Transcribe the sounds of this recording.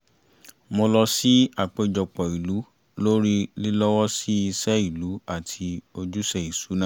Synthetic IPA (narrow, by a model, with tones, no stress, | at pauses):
mo˧lɔ˧si˦a˦˨k͡pe˨˧˨d͡ʒɔ˨k͡pɔ˨i˨lu˨˦ | lo˦ɾi˦li˦lɔ˦wɔ˦si˦i˧sɛ˦i˦˨lu˨˦a˦˨tʰi˧o˧d͡ʒu˦sɛ˨i˨su˨˦nã˦